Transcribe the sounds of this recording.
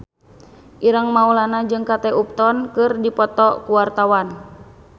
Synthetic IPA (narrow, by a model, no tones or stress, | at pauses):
ʔiɾaŋmaulanad͡ʒɨŋkat̪ɛʔup̚t̪ɔnkɨrdipɔt̪ɔkuwart̪awan